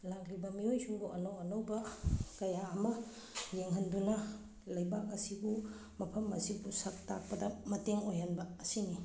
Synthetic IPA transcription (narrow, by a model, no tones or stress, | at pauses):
laklibɐmiojsuŋbuʔɐnɐwɐnɐwbɐkɐjaːmɐ | jeŋɦɐndunɐ | lɐjbakɐsibu | mɐpʰɐmɐ̰sibusak̚tak̚pɐdɐmɐteŋojanbɐːsini